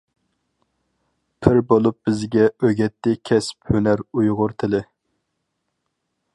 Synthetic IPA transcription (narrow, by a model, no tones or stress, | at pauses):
pʰɪɾbolˠup̚b̥ɪzɡʲɛʔøɡʲɛt̪ʰːɪkʲʰɛspʰhønæɾujʁʊɾt̪ʰɪlɪ